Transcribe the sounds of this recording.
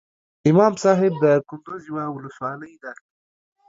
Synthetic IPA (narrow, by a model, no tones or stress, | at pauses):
ɪmɑmsɑɦɪb̚d̪əkʊnd̪uziwawʊləswɑləjd̪ɑɾi